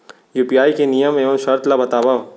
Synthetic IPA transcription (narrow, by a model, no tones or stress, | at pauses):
juːpijaːikenijəmẽõʃɐɾt̪labɐt̪aːʋa